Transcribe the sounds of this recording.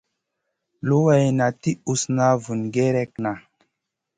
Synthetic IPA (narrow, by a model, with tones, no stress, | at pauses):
lo˦wa˨jna˨ti˦u˨sna˦vu˨nɡe˦ɾɛ˦kna˨